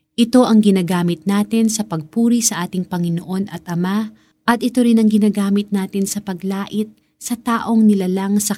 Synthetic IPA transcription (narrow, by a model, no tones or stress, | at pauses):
ʔɪt̪o̞ʔɐŋɡɪnaːɡaːmɪt̪̚naːt̪ɪnsɐpɐɡ̚puːɾisɐʔaːt̪ɪŋpɐŋɪnoʔo̞nʔɐt̪ʔɐma | ʔɐt̪̚ʔɪt̪o̞ɾɪnɐŋɡɪnaːɡaːmɪt̪̚naːt̪ɪnsɐpɐɡlaːʔɪt̪̚ | sɐt̪aːʔo̞ŋnɪlalɐŋsɐ